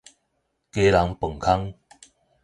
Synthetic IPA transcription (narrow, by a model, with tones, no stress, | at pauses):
ke˧la˨˦ŋpə˨˩ŋkʰa˦ŋ